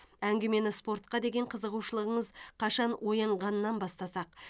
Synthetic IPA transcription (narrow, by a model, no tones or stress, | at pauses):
æŋɡʲeme̞nɪspo̞ɾt̪̚qɑd̪e̞ɡʲe̞ɴqʰəzəʁuʃəlˠəʁəɴəzqʰɑʃɑnwo̞jɑɴʁɑnənːɑnbɑst̪ɑsɑq̚